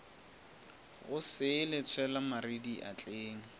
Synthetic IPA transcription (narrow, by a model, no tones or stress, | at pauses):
ɣʊsɪlɪt͡sʰwɛlamaɾidiʔa̰t͡ɬʼeːŋ̩